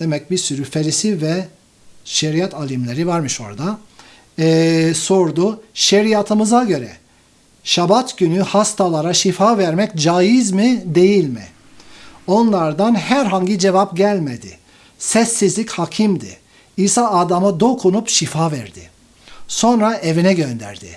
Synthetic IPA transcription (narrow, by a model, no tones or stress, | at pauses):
d̪̥emɛc̚biɾsyɾyfeɾisivɛ | ʃeɾijat̪ʰalʲimlʲeɾivaɾmɯʃo̞̰ɾa̰d̪a | so̞ɾd̪uʃeɾijat̪ʰɯmɯzaɟø̞ɾɛ̰ | ʃabat̪ɟynyhast̪ʰalˠaɾaʃifavæɾmɛcd͡ʒajizmid̪e̞jilʲmḭ | o̞nlˠaɾd̪anɦæɾɦaɲɟid͡ʒevapɟælʲmed̪ḭ | sɛsːizlʲicʲhacʰimd̪ḭ | iːsaːd̪amad̪o̞kʰunupʃifaːvɛɾd̪ḭ | so̞nɾaevinɛɟø̞nd̪æ̰ɾd̪ɪ̰